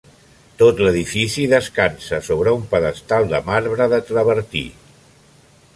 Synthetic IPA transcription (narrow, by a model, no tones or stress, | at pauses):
t̪ot̪ləðifisiðəskansəsoβɾəumpəðəst̪alˠd̪əmaɾβɾəðət̪ɾəβəɾt̪ḭ